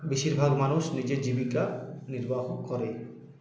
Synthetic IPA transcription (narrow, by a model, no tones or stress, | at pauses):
biʃiɾbʱaɡmanuʃnid͡ʑed͡ʑibikaniɾbaɦokkɔɾe